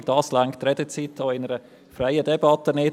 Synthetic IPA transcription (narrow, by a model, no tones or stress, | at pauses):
d̥ɑːslaŋkt̪ɾɛdət͡siːt̪oɪnəɾə | fɾaɪədɛbɑt̪ənɪ